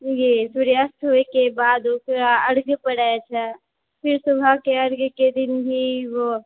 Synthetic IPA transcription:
jesuɾiəst̪ɦoekebaːd̪okɾaəɾɡpəɽaet͡ʃʰɛ | pʰɪɾsubʱakeəɾɡked̪ɪnbʱiʋo

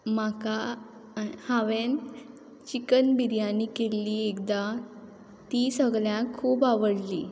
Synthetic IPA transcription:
maka | hãʋen | t͡ɕikənbiɾjãnːiːkeliːekd̪a | t̪isəɡɭjãkʰuːpaʋəɽliː

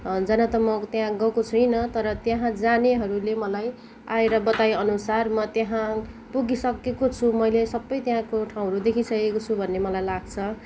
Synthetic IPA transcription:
d͡zʌnʌt̪ʌmʌt̪jãɡʌkot͡sʰujnʌt̪ʌɾʌt̪jaɦãd͡zaneɦʌɾulemʌlaj | aeɾʌbʌt̪ajʌnusarmʌt̪jaɦã | puɡisʌkekot͡sʰumʌjlesʌbːʌjt̪jɦãkoʈʰaw̃ɦʌɾud̪ekʰisʌkekot͡sʰubʱʌnːemʌlajlaɡ̚t͡sʰʌ

